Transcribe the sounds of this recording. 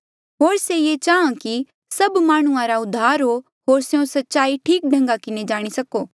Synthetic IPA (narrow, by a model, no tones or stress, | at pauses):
ɦoːɾsejet͡ʃaːãki | sɐbmaːɽ̃ʊ̃ãɾaʊd̪ʱːaːɾɦo | ɦoːɾsejõsɐtːʃaːiʈʰiːk̚ɖʱɐ̃ŋɡakɪned͡ʒaːɽ̃isɐkoː